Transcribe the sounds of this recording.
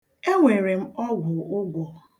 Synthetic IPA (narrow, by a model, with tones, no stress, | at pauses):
e˦ŋʷe˨ɾe˨m̩˦ɔ˦ɡʷʊ˨ʊ˦ɡʷɔ˨